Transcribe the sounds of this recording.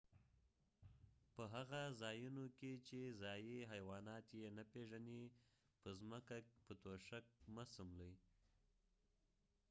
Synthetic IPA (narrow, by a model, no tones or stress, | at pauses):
pəɦaɣazɑjunoket͡ʃezɑjiɦajwɑnɑt̪jenapeʒane | pəzməkakpət̪oʃak̚masəmləj